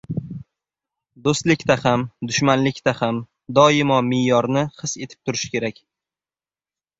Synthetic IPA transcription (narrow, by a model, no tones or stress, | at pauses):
d̪ost̪lɪkʲt̪ahamd̪ʊʃmanlɪkʲt̪aham | d̪ɒɪmɒmɪjɒɾnɪhɨse̞t̪ʰɪ̥p̚t̪ʰʊɾɪʃkʲe̞ɾakʲ